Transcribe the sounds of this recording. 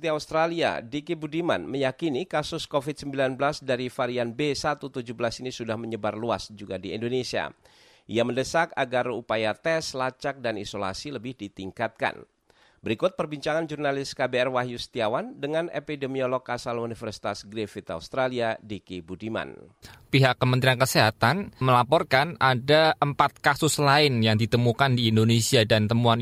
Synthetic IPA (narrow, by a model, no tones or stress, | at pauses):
t̪iaust̪ɾalia̰dikibudima̰nməjakinikasʊskofit̪̚səmbilanbəlasdaɾifaɾianbesat̪ut̪ud͡ʒubəlasinisudahməɲəbarluasd͡ʒuɡadiḭndonesia̰ | ʔiaməndəsakaɡarupajat̪ɛslat͡ʃak̚danḭsola̰siləbɪhdit̪iŋkat̪̚ka̰n | bəɾikʊt̪̚pərbiɲt͡ʃaŋand͡ʒurnalɪskabeɛrwaɦjust̪iawandəŋanḛpidemiolɔkasalunifərsi̥t̪asɡɾefit̪aust̪ɾaliadikibudima̰npiɦakːəmənt̪ɾiankəseɦat̪anməlapɔrkanʔadaʔəmpat̪̚kasʊslaɪnjaŋdit̪əmukandiːndonesiadant̪əmuan